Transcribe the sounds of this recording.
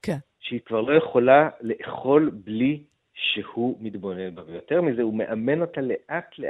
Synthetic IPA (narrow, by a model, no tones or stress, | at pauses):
ʃeikvaʁlo̞jeχo̞lale̞ʔχo̞lbli | ʃehumitbo̞nelbavejo̞teʁmize̞ume̞ʔame̞no̞tale̞ʔatle